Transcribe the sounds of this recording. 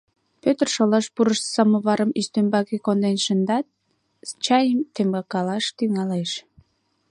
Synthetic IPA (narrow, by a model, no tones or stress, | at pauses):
pøt̪ərʃolɑʃpuɾəʃsɑməβɑɾəmist̪ømbɑkekond̪enʃənd̪ɑt̪̚ | st͡ɕɑjəmt̪emɡɑkɑlɑʃt̪yŋɑleʃ